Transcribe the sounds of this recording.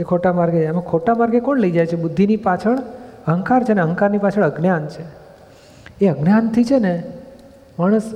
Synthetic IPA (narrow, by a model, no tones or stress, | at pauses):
ekʰoʈamaɾɡet͡ʃamakʰoʈamaɾɡekɔɳləid͡ʒajt͡ʃʰebʊd̪ʱːinipat͡ʃʰəɳəɦəŋkaɾt͡ʃʰeneəɦə̃ŋkaɾnipat͡ʃʰəɭəɡnjant͡ʃʰe | eəɡnjant̪ʰit͡ʃʰene | maɽ̃əs